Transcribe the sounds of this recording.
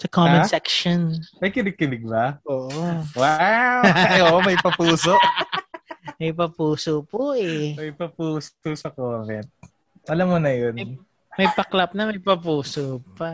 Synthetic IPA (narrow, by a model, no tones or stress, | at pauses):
sɐkomɛsɛkʃonmɐjkɪbɪɡ̚kːɪbɪɡ̚bɐʔoːʔowawoːʔomɐjpɐpuːsoʔ | mɐjpɐpuːsopoʔɛmɐjpɐpuːsot̪osɐkoːmɛnt̪̚ | ʔɐlɐmːonɐjon | mɐjpɐklɐp̚nɐmɐjpɐpuːsopɐ